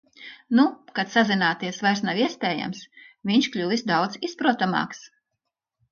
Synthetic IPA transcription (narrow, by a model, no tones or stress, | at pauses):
nukat̪sazinaːt̪iɛsvajɾsnawiɛspʲeːja̰msvʲiɲʲʃklʲulisd̪awd̪zispɾuɔt̪amɑ̰ːks